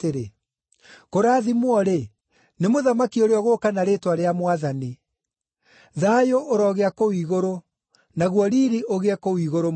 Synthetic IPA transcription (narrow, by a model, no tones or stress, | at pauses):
eɾe | koɾaːðimwɔɾe | nemoðamakioɾeɔɣoːkanaɾetwaɾeamwaðani | ðaːjoʔoɾɔɣeakowiɣoɾo | naɣwɔɾiɾiʔoɣeɛkowiːɣoɾo